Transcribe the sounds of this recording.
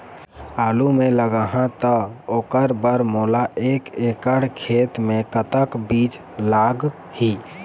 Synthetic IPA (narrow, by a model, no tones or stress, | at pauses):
aːlumẽləɡəɦãt̪əoːkəɾbəɾmoːlaʔeːkeːkəɽkʰeːt̪mẽkət̪əkbiːt͡ʃ | laːɡ | hi